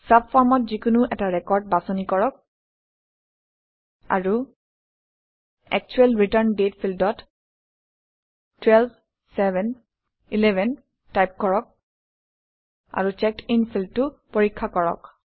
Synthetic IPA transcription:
sabfɔɹmɔtzikunuʔɛtaɹɛkɔɹd̚basɔnikɔɹɔk̚ | a̰ɹu | ɛ̰k̚t͡ʃuɛlɹitəɹndetpʰildɔt | twɛlb | sɛbɛn | ilɛbʱɛn | tajp̚kɔɹɔk̚ | a̰ɹut͡ʃɛkʰinpʰildtʊpoɹikʰːakɔɹɔ̰k̚

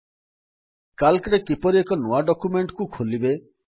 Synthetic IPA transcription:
kalkɾekipɔɾiekɔnoaɖɔkumeɳʈkukʰolibe

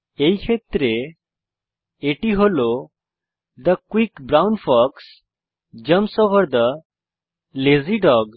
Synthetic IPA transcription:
ejkʰet̪ɾe | eʈiɦolo | d̪əkʋikbɾawnfɔks | d͡ʑəmsoʋəɾd̪ə | leziɖɔɡ

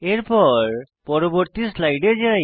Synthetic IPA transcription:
eɾpɔɹ | pɔɾoboɾt̪islajɖed͡ʒaj

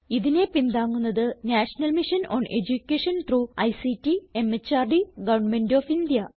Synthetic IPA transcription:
iðine̞pind̪aːŋːunːɐðɨnaːʂɐnɐlmiʂɐnoːnʔed͡ʑukʲːeʂɐnt̪ruːɐjsitːie̞met͡ɕːaːrɖiɡɐʋɐɳmendoːfind̪jɐ

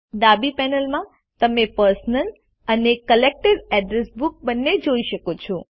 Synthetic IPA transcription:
ɖ̪abipɛnəlmã | t̪əmepəɾsnəl | ənekəlek̚ʈəɾɛɖɾesbuk̚bənːed͡ʒoiʃəkot͡ʃʰũ

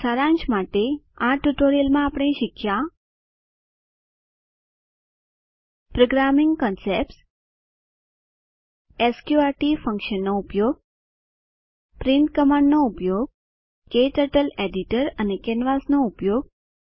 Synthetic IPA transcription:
səɾãɲt͡ʃmaʈeãʈuʈoɾijəlmãːpɽ̃ẽʃɪkʰja | pɾoɡɾamɪ̃ŋɡkɔnseps | eskjuaɾʈifə̃ŋkʃənːoupjoɡ̚ | pɾiɳʈ̪kəmãɳɖnoupjoɡ̚ | keʈəʈəleɖiʈəɾənekɛnʋasnoupjoɡ̚

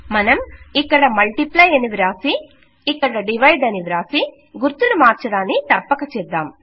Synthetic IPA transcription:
mɐnɐmikːɐɽɐmɐɭʈiplɐjɐniʋiɾaːsiː | kːɐɽɐɖiʋɐjɖɐniʋiɾaːsi | ɡuɾt̪unumaːɾt͡ʃɐɽaːnːit̪ɐpːɐkɐt͡ʃɛd̪ːaːm

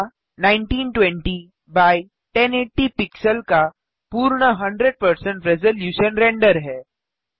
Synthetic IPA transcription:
nãɪɳʈiːnʈwɛ̃ɳʈi | baːi | ʈeneːʈːipɪksəlka | puːɾɽ̃əɦɐ̃ɳɖɾeɖ̚pəɾsə̃ɳʈɾɛzəljuːʃənɾẽːɳɖəɾɦɛː

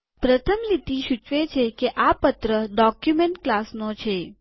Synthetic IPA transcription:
pɾət̪ʰəmlit̪iʃut͡ʃʋet͡ʃʰekeʔapət̪ɾəɖɔkjumeɳʈklasnot͡ʃʰe

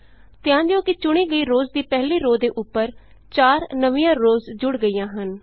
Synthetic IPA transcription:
t̪ɪjãːd̪jõːkɪt͡ʃʊɽ̃iːɡəiːɾoːzd̪iːpɛɦliːɾoːd̪eːʔʊpːəɾ | t͡ʃaːɾnəʋĩjãːɾoːzd͡ʒʊɽɡəiːjãːɦən

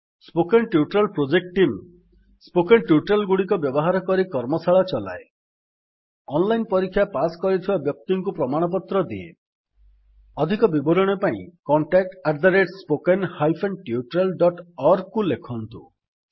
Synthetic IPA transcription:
spokenʈiuʈɾalpɾod͡ʒek̚ʈim | spokenʈjuʈɾelɡuɽikɔbjɔbɔɦaɾɔkɔɾikɔɾmɔsaɭat͡ʃɔla̰e | ɔnlajnpɔɾikʰːjapaskɔɾit̪ʰibabjɔk̚t̪iŋkupɾɔmaɽ̃ɔp̬ɔt̪ɾɔd̪iḛ | ɔd̪ʱikɔbibɔɾɔɽ̃epaḭ̃kɔɳʈak̚ʈaɾd̪aɾeʈspokenhajpʰenʈiuʈɾalɖɔʈɔɾ̚kːulekʰɔnt̪u

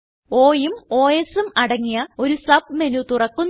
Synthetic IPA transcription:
o̞ːjumo̞ːjesumɐɽɐŋːijɐo̞ɾusɐb̚me̞nut̪urɐkːunː

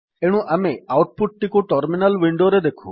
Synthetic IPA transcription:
eɽ̃ũʔameawʈ̚puʈ̚ʈ̪ikuʈəɾminəlʋiɳɖoɾed̪ekʰṵ̃

